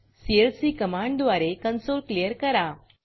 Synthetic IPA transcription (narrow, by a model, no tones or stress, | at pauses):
sielsiːkəmãɳɖd̪ʋaɾekənsolklijəɾkəɾa